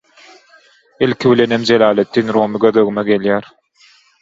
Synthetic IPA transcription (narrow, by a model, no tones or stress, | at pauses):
elkʰiβilenemd͡ʒelɑːlet̪ʰːinɾoːmiɡøðøɣymeɡeljæːɾ